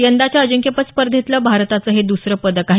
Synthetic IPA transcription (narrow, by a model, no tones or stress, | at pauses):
jənd̪at͡ɕjaəd͡ʑəŋkjepət̪spəɾd̪ʱjet̪ləbʱaɾt̪at͡səɦed̪usɾəpəd̪əkaɦ